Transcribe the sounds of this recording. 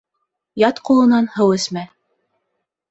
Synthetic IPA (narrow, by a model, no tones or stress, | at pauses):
jɑt̪qulˠɤ̆nɑnhɤwɘ̆smæ